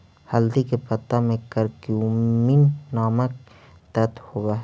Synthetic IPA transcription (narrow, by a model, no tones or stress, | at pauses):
hɐld̪ikepɐt̪ːamẽkəɾkjuminːaːmək̚ | t̪ət̪howaɦ